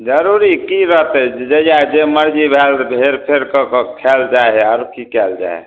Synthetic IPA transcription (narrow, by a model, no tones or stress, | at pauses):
d͡ʒəɾuɾikiɾəɦt̪əd͡ʒəjad͡ʒeməɾd͡ʒibʱelbʱeɾpʰeɾkəkkʰɛld͡ʒaaɾkʰikɛld͡ʒa̰e